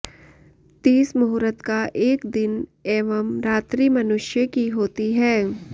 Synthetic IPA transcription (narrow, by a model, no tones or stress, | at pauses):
t̪iːsmʊɦɾət̪kaʔeːkd̪ɪneːʋəmɾaːt̪ɾiːmɐnʊʃjəkiɦoːt̪iɦɛː